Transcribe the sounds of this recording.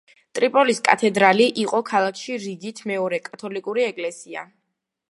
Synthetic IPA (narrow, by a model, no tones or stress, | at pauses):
t̪ʼɾipʼɔliskʼa̰t̪ʰɛd̪ɾaliʔiqʼɔkʰalˠakʰʃiɾid̪it̪ʰmɛɔɾɛkʼat̪ʰɔlikʼuɾiɛkʼlɛsia̰